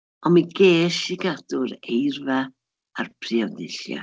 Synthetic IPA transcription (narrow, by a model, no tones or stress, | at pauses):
ɔmiɡeːʃiɡadʊɾejrva | arpʰriɔdɪɬja̰